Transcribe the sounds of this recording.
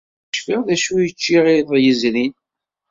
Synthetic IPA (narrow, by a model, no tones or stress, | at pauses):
ʃfiʁðæʃujət͡ʃːiʁɪðˤjəzɾin